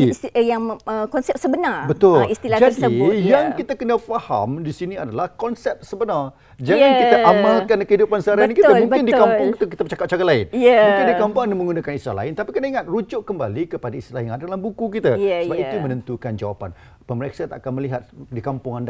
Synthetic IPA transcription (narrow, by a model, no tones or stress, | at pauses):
jaŋəkɔnsɛp̚səbənarbət̪ʊlist̪ilad͡ʒadəjaŋkit̪akənəfaha̰mdisiniadalahkɔnsɛp̚səbənar | d͡ʒaŋankit̪aʔamalkankəɦidupansəaɾaanikit̪amũŋbɪndikampʊŋkit̪uk̬it̪abət͡ʃakap̚t͡ʃaɡalaɪ̰njmuŋkɪnndikampʊŋanimə̃ŋɡunakanist̪ila̰la̰ɪnt̪apikənaiŋat̪̚rud͡ʒʊʔkəmba̰likəpadaist̪ilahjaŋadadalambukukit̪asəbapit̪umənənt̪ukand͡ʒawapa̰n | pəməɾeksat̪aʔakanməliɦat̪̚dikampʊŋanda